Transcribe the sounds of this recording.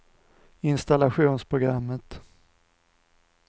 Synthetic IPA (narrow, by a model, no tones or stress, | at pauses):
ɪnst̪alaɧuːnspʰɾʊɡɾamːət̪